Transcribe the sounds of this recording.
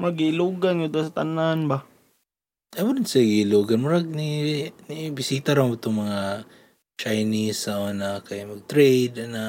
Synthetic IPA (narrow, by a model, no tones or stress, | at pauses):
mɐɡɪɪluːɡanɡʊd̪asat̪ananba | amʊdɪnsaɡɪɪluːɡanmʊɾaɡ̚ninibɪsiːt̪aɾaŋʊt̪ʊŋmɐŋa | t͡ʃajnisaonakajmɐɡ̚t̪ɾejd̪ana